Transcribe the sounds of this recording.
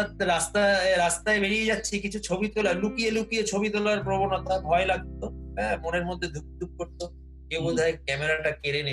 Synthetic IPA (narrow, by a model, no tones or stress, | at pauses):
at̪̚ɾast̪aɾast̪aebeɽied͡ʑatːɕʰikit͡ɕʰut͡ɕʰobit̪olaɾlukielukijet͡ɕʰobit̪̬olaɾpɾobonot̪abʱɔelaɡ̚t̪oɦɛmoneɾmod̪ʱːed̪ʱuk̚d̪ʱuk̚koɾt̪o | kewbod͡ʒ̪ʱaekɛmeɾaʈakeɾene